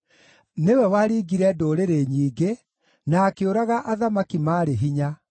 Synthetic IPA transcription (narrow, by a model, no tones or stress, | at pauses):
newɛwaɾiːɡiɾɛdoːɾeɾeɲiːɡe | naːkeoɾaɣaʔaðamakimaːɾeɦiɲa